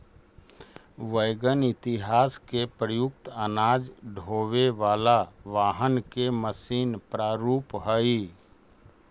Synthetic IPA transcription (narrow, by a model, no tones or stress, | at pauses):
ʋəɪɡənɪt̪ɪɦaːskepɾəjʊk̚t̪ənaːd͡ʒɖʱoːʋeʋaːlaʋaːɦənkeməsiːnpɾaːɾuːpɦəi